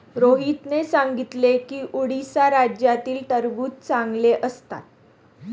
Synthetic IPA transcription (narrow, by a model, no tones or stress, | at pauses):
ɾoɦit̪nesaŋɡit̪lekiːʔuɽisaɾad͡ʑjat̪iːlt̪əɾbuːt̪̚t͡saŋɡleʔəst̪a̰t̪̚